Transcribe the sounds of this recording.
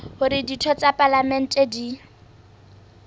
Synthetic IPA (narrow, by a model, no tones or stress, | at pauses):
hʊɾɪditʰɔt͡sʼapʼalamɛn̩tʼedi